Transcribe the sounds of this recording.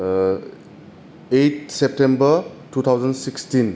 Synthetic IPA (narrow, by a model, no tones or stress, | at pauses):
ejtsep̚tembətut̪ʰawzənsikstin